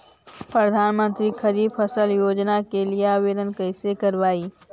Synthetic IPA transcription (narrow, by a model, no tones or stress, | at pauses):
pɾəd̪ʱaːnmə̃nt̪ɾikʰɐɾiːbpʰɐsəljoːd͡ʒnakelieaːʋeːd̪ənkəɪsekɐɾʋaːiː